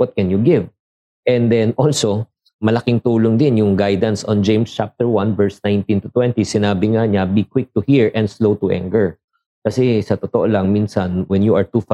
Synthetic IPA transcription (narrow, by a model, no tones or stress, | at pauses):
wɔt̪̚kɛnjʊɡɪv | ʔɛ̃nd̪ɛnʔolso | mɐlɐkɪŋt̪uːloŋd̪ɪnjʊŋɡajd̪ɐnsʔɔ̃nd͡ʒẽjmst͡ʃap̚t̪ɛɹwanvɛɹsnãjnt̪ĩnt̪ʊt̪wɛ̃nt̪isɪnaːbɪŋaɲabikwɪk̚t̪ʊhiɹʔɛ̃nd̪slowt̪ʊʔɛ̰̃ŋkɛɹ | kɐsɛsɐt̪ot̪oʔolɐŋminsɐnwɛnjuʔɐɹt̪uf